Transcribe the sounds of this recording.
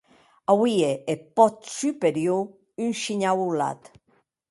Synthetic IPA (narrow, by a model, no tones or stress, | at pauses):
awieepɔt̪sypeɾjo | ynʃiɲawula̰t̪